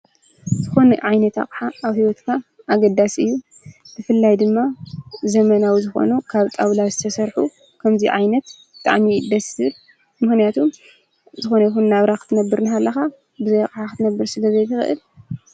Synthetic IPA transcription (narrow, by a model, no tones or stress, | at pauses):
zɨxo̞nʕajnɐt̪a̰kʼħaaβhiwɔt̪kʰa | ʔːɡɐd̪asɨjːu | bɨfɨlːajd̪ɨmːazɐmɐnawizɨxo̞̰nukʰaβt̪ʼaβlazɨt̪ʰɐsɐɾħu | kʰɐmziʕajnɐt̪ | bɨt̪ʼa̰ʕmid̪ɐsɨl | mɨxnijat̪ʰum | zɨxo̞nɐjxunːaβɾakɨt̪ʰɨnɐbːɨɾnɨɦalːɐxa | bɨzɐjaqʼħakɨt̪ʰɨnɐbːɨɾsɨlɐzɐjt̪ʰɨxɨ̰ʔɨ̰l